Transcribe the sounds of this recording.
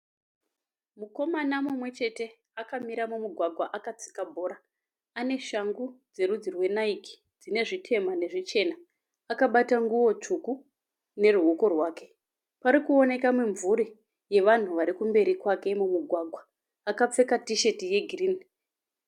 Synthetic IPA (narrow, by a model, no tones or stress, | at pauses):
muko̞manamumwe̞t͡ʃe̞te̞ | akamiɾamumuɡʱwaɡʱwaʔakat͡si̥kabʱo̞ːɾa | ane̞ʃaŋɡud͡ze̞ɾud͡zirwe̞naiki̥ | d͡zine̞ʐitʰe̞mane̞ʐit͡ʃe̞na | akaɓataŋɡuʋo̞t͡ʂuku | ne̞ruɦuko̞rwaːke̞ | paɾikuo̞ne̞kamuɱvuɾi | je̞ʋan̤uʋaɾikumbe̞ɾikwake̞mumuɡʱwaɡʱwaː | kap͡fe̞katiʃe̞tije̞ɡʱiriːni